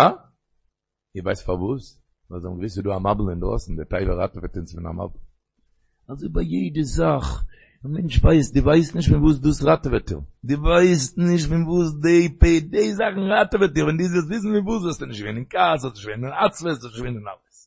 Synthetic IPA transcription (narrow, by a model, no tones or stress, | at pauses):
a | ɪvaɪstfaɾvuːs | vazɔmɡəvɪsɪduːamabl̩ˠɪndʁɔ̰sn̩dɪtaɪvəɾa̰təvɛtɪnstfɪna̰ma̰bl̩ˠ | azoɪbaɪjeɪdəzaχ | amɛnt͡ʃvaɪsdɪːvaɪstnɪʃ̬tfɪnvuːs̬duːsʁatəvɛtɪ̰ldɪːvaɪstnɪʃtfɪnvuːsdeɪpeɪdeɪzaχn̩ʁatəvɛtiːvɛndiːzɛsvɪs̬n̩fɪnvuːs̬vɛstɪnɪʃtɡvenɪnkasɔsnɪʃveɪnɪnat͡svɛsɔsɪʃveɪnɪnaləs